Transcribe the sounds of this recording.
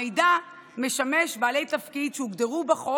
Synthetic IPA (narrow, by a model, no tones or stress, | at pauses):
ejda | me̞ʃame̞ʃbaːle̞jt̪afkid̪ʃeuɡd̪eʁubaχo